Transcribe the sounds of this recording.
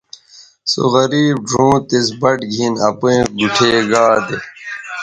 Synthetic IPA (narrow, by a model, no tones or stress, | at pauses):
so̰ɣɐɾiːb̚ɖʱũːt̪esbɐʈɡʱinɐpuẽːɡuʈʰeːɡaːd̪e